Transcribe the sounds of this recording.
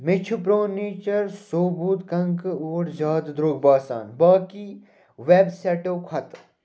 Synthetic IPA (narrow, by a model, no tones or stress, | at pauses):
mɪt͡ʃʰupɾoːniːt͡ʃɐɾsoːbuːt̪kɐŋkoːɽd͡ʒaːd̪d̪ɾoːɡ̚baːsa̰ːnbaːki | ʋeːbseːʈoːkʰɐt̪